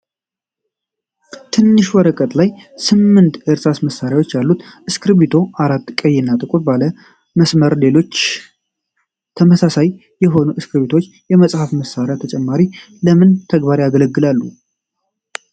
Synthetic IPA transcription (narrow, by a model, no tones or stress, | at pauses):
t̪ʰɨnːɨʃwɔɾəkʼət̪ʼlajsɨmːɨnt̪əɾsasməsːaɾjawo̞t͡ʃːjalːut̪ʔɨskʰɨɾβit̪ʰo̞ʔaɾat̪ːkʼəjːɪnːat̪ʼɨkʼut̪balə | məsməɾle̞lo̞t͡ʃː | t̪ʰəməsasaj | jɛɦo̞nuʔɨskɾβit̪ʰo̞t͡ʃːjɛməsʼhafməsːaɾjat̪ʰət͡ʃʼɛmːaɾi | ləmɨnt̪ʰəɡbaɾjaɡələɡːɨlalːṵ